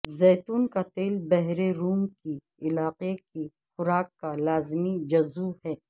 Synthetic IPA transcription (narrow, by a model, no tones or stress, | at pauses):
zɛːt̪uːnkat̪eːlbɛɦɾeɾuːmki | ɪlaːqeki | xʊɾaːkːalaːzmid͡ʒɐzuhɛː